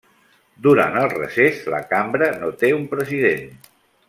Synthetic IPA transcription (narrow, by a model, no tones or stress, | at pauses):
d̪uɾa̰nəlˠrə̰sezlə̰kambɾənot̪eumpɾəziðen